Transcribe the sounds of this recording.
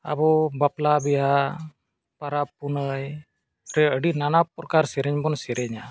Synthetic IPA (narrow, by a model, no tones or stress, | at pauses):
a̰bɔbaplabɛja | paɾapːunəj | ɾɛəɖinanapɾɔkaɾsɛɾɛɲbɔnsɛɾɛɲa